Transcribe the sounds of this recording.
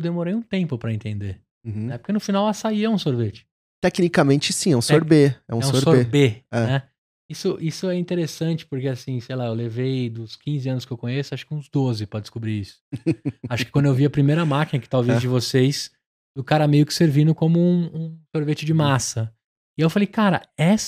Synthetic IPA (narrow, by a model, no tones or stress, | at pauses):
ewd̪emoɾejũt̪ẽmpʊpɾɐẽnt̪ẽnd̪eɾ̃ | ɛpʊɾkenʊfinawɛsaiɐũsoɾvet͡ʃɪ̥ | t̪ɛknikamẽnt͡ʃɪsĩɛũsoɾbeɛ̰ũɛũõsoɾebeɛnɛ | isʊʔisʊɛĩnt̪eɾesɐ̃nt͡ʃɪ̥pʊɾkeasĩsejlaewlevejd̪ʊskĩzɪɐ̃nʊskɪewkõɲesʊaʃʊ̥kũzd̪ozɪpɾɐd͡ʒɪskobɾiisʊ̥aʃʊ̥kɪkwɐ̃d̪ʊewviɐpɾimejɾɐmakinɐkɪ̥t̪awvezd͡ʒɪvosejs | d̪ʊkaɾɐmejʊkɪ̥seɾvĩnʊkõmʊũũsoɾvet͡ʃɪd͡ʒɪmasɐ | ɪewfalejkaɾɐ̰ɛs